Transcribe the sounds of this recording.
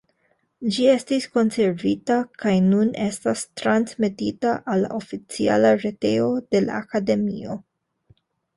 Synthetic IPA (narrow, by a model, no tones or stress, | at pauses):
d͡ʒie̞stisko̞nse̞ɾvitakajnunʔe̞stastɾansmetitaʔalːa̰ʔo̞fit͡sia̰laɾe̞te̞o̞d̥e̞la̰ːkade̞mḭo̞